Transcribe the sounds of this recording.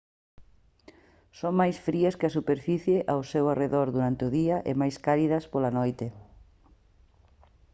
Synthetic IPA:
soŋmajsfɾiɐskɪɐsupeɾfiθjeʔawsewareðoɾðuɾant̪ɪʊðiɐʔɪ̰majskaliðɐspolɐnojt̪ɪ

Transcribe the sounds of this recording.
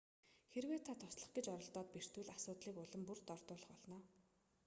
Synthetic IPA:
xeɾweːt̪ʰːat̪ʰʊ̥sɮə̆χɡet͡ɕɔɾɞ̆ɬt̪ɔːt̪̚per̥t̪wɘ̆ɮasʊːt̪ɮiːkʊɮə̆mpurt̪ɔrt̪ʊːɮə̆χɔɮnɔː

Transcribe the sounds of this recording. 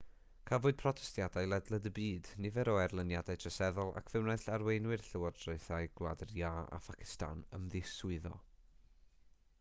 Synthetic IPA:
kʰavʊːɨd̥̚pʰrɔtʰɛ̥stjadajlˠɛdlˠədəbiːdnɪvɛɾɔɛrlˠənjadajtʰrəsɛðɔlˠa̰kʰv̥ɛwnajɬarwejnwɨrɬəward̥roɨθajɡ̥wlˠa̰dəraa̰fʰakʰɪ̥sta̰nə̰mðɪsʊɨðɔ̰

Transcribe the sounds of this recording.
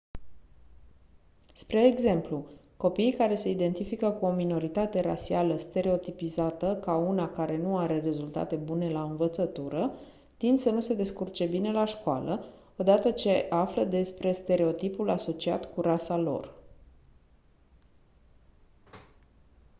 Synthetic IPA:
spɾe̞ːɡze̞mpluko̞pijkaɾe̞se̞id̪e̞nt̪ifikəkuo̞mino̞ɾit̪at̪e̞ɾa̰sialəst̪e̞ɾe̞o̞t̪ipizat̪əkaunakaɾe̞nuaɾe̞re̞zult̪a̰t̪e̞bune̞laɨnvət̪sət̪uɾə | t̪ind̪sənuse̞d̪e̞skurt͡ʃe̞bine̞laʃkoa̰lə | o̞d̪at̪ət͡ʃe̞ʔafləd̪e̞spɾe̞st̪e̞ɾe̞o̞t̪ipulaso̞t͡ʃia̰t̪kuɾasalo̞̰r

